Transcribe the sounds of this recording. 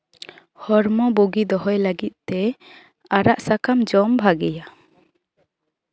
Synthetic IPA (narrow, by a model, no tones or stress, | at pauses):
hɔɾmɔbuɡid̪ɔɦɔjləɡit̪̚ˀt̪ɛ | aɾaʔsakamd͡ʒɔmbʱaɡɛja